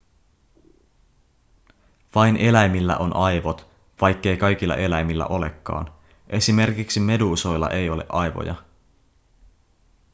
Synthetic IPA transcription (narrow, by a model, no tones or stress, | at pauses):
ʋɑjne̞læjmilːæ̰ʔo̞nʔɑjʋot̪ | ʋɑjkːe̞jkɑjk̟ilːɑ̰ʔe̞læjmilːæ̰ʔo̞le̞̰kːɑ̰ːn | ʔe̞sime̞rkiksime̞duso̞jlːɑ̰ʔe̞jo̞le̞̰ʔɑjʋo̞̰jɑ̰